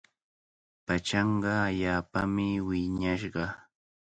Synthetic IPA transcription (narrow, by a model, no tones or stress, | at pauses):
pat͡ʃɑɴɢɑaʎaːpamɪwɪɲaʃɢɑ